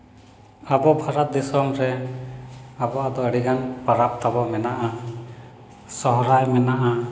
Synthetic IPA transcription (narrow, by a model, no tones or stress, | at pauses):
abɔbʱaɾat̪̚d̪isɔmɾɛ | abɔʔad̪ɔəɽiɡanpaɾap̚t̪ʰabɔmɛnaʔa | sɔɦɾajmɛnaʔa